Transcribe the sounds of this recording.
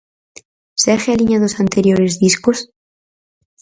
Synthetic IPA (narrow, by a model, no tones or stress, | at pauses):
sexealiɲaðosant̪e̞ɾjo̞ɾezðiskos